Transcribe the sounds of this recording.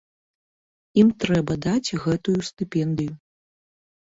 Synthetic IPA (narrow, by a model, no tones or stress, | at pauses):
imt̪ɾɛbɐd̪at͡sʲɣɛt̪ujust̪ɨpʲɛnd̪ɨju